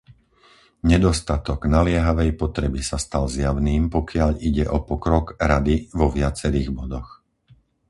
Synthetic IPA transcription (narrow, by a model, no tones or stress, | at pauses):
ɲɛd̪ɔst̪at̪ɔɡnalɪɛɦaʋɛjpɔt̪ɾɛbisast̪alzjaʊniːmpɔkɪaʎiɟɛʔɔpɔkɾɔɡɾad̪iʋɔʋɪat͡sɛɾiːɣbɔd̪ɔx